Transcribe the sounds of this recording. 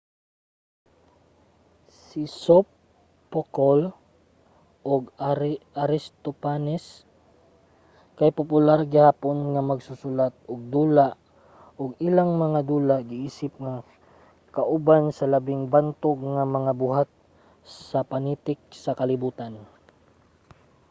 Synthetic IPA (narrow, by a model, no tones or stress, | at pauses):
sɪsopː | okol | ʔoɡ | aɾɪst̪opanɛs | kajpʊpʊlaɾɡɪhaːponŋamɐɡsʊsʊlat̪̚oɡ̚d̪uːlaʔ | ʔoɡɪlaŋmɐŋad̪uːlaɡɪʔiːsɪp̚ŋa | kɐʔʊbansɐlɐbɪŋbant̪oɡ̚ŋamɐŋabʊɦat̪̚ | ssɐpɐnit̪ɪk̚sɐkɐlɪbuːt̪an